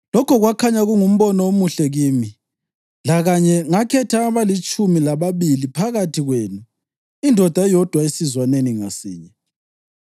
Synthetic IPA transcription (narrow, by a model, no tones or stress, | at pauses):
lɔkʰɔɣwakʰaɲaɣuŋum̩βɔnɔomuɬɛɣiːmi | laɣaɲɛŋakʰɛtʰaːβalit͡ʃʼumilaβaβilipʰaɣatʰiɣweːnu | indʱɔd̥ʱajɔd̥ʱwaesizwaneniŋasḭːɲɛ